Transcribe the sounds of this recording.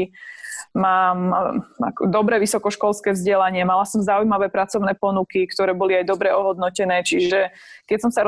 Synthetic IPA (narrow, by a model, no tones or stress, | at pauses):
maːma̰kɔd̪ɔbɾɛːʋisɔkɔʃkɔlskɛːvzɟɛlaɲɪɛmalasɔmzaujmaʋɛːpɾat͡sɔʊnɛːpɔnukikt̪ɔɾɛːbɔliajd̪ɔbɾɛɔɦɔd̪nɔcɛnɛːt͡ʃiʒɛ | kɛcsɔmsaɾ